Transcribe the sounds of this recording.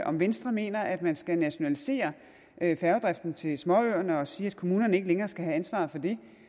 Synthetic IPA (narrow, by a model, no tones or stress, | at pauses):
ʔɒ̽mʋensd̥ʁɐme̝̰ːnɐʔæd̥mænsɡ̥ænæɕo̝nælise̝̰ːɐ | ʔfæɐʊd̥ʁafd̥n̩t͡sʰe̝smɒ̽øɐnəɒ̽siːæd̥̚kʰo̝muːnɐnəe̝ɡəleŋɐːsɡ̥æɦæænsʋɑ̰̈ːfɒ̽d̥e̝